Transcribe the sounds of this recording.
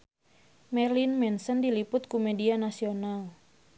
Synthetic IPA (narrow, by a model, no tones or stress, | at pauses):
mɛrlinmɛnsəndilipʊt̪̚kumedianasional